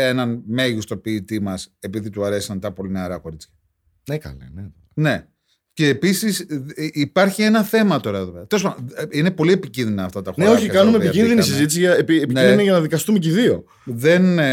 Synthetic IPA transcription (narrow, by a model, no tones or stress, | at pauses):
enɐnme̞ʝust̪o̞piːt̪imɐse̞piðit̪uɐɾe̞si̥sɐnt̪ɐpo̞lineɐɾɐko̞ɾit͡sçɐ̥ | nekɐ̰lḛnet̪one̞ | ce̞ːpisisipɐɾçie̞nɐθe̞mɐt̪o̞ɾɐeðoeðɐt̪els̬pɐnine̞po̞lie̞picinðinɐːft̪ɐt̪ɐxoneoçikɐnumepicinðinissizit̪isiʝɐpiepiniiniʝɐnɐðikɐst̪umeciðio̞ | ðe̞n